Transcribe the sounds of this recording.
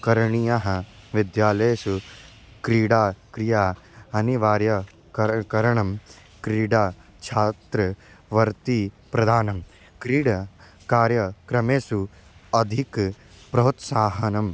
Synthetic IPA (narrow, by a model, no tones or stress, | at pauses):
kɐɾɳijaɦɐ | ʋid̪jaːleːsu | kɾiːɽaːkɾijaːɐniʋaːɾjɐ | ɐkɐɾɐɳɐm | kɾiːɽaː | t͡ʃʰaːt̪ɾɐ | ʋɐɾt̪i | pɾɐd̪ʱaːnɐm | kɾiːɽɐ | kaːɾjɐkɾɐmeːsu | ɐd̪ʱik | pɾɐɦut̪saːɦɐnɐm